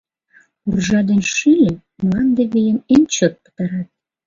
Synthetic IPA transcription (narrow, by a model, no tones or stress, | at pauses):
urʒɑd̪enʃilʲĕ | mlɑnd̪eβejəment͡ɕot̪̚pə̥t̪ɑɾɑt̪̚